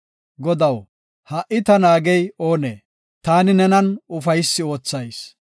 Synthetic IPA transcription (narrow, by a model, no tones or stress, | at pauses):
ɡɔd̪ɐw | hɐʔɪt̪ɐnaːɡɛjo̞ːneː | t̪aːnɪnɛnɐnʊfɐjsːɪo̞ːt͡sːɐjs